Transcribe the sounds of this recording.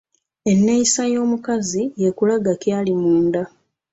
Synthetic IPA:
e̞nːeisajo̞ːmukazije̞kulaɡakjaːlimuːnda

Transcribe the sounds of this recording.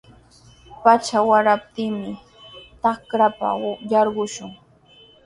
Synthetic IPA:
pat͡ʃawaɾap̚t̪ɪŋmɪ | t̪akɾapa̰jɑɾɢʊʃʊŋ

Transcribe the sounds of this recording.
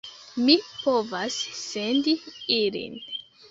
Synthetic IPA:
mipo̞vasːe̞ndiilḭn

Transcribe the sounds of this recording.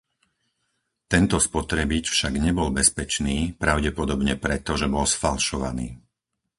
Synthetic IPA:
t̪ɛnt̪ɔspɔt̪ɾɛbit͡ʃfʃaɡɲɛbɔlbɛspɛt͡ʃniːpɾaʊɟɛpɔd̪ɔbɲɛpɾɛt̪ɔʒɛbɔlsfalʃɔʋa̰niː

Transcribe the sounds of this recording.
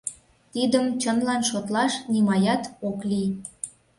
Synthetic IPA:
t̪id̪əmt͡ɕənlɑnʃot̪lɑʃnimɑjɑt̪oklij

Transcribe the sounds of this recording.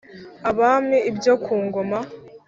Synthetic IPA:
aβamɲeibjokʰuːŋɡoma

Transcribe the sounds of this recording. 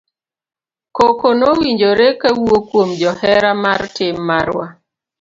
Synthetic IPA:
kokonowiɲd͡ʒoɾekawwokwomd͡ʒɔhɛɾamartɪmːaɾwa

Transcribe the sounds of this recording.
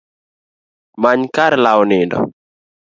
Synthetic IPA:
maɲkaɾlawnɪndɔ̰

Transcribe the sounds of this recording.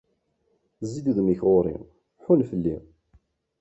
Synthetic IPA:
zid̪uðmiçʁoɾˤḭ | ħʊnfəlːi

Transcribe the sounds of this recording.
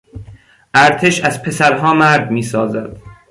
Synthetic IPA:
ʔæɾt̪ʰe̞ʃæzpʰe̞sæɾɦɒːmæɾd̪miːsɒːzæd̪̥

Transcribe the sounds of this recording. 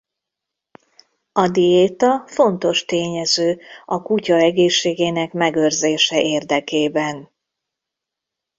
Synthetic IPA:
ɒd̪ieːt̪ɒfo̞nt̪o̞ʃt̪eːɲɛzøːɒkucɒɛɡeːʃːeːɡeːnɛkmɛɡø̞rzeːʃɛʔeːrd̪ɛkeːbɛn

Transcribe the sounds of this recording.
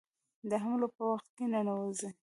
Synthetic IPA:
d̪əɦamlopəwaxt̪̚kenanawəzi

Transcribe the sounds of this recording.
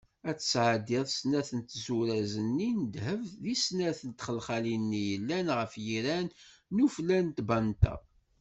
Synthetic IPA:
æt͡sːəsʕad̪ɪðˤsnæθənt̪zuɾæzənːind̪ɦəvðisnæθənt̪χəlχalinːijəlːænʁəfjiɾænnuflænt̪bænt̪æ̰

